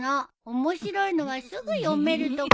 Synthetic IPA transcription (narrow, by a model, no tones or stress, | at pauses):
na | omo̞ɕiɾo̞ino̞βasɨɡɯ̟jome̞ɾɯ̟t̪o